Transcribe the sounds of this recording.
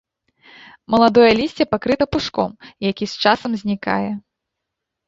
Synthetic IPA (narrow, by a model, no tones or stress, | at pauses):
mɐlˠad̪ɔjɐlʲisʲt͡sʲɛpakɾɨt̪ɐpuʂkɔ̰mjakʲist͡ʂasɐmzʲnʲika̰jɛ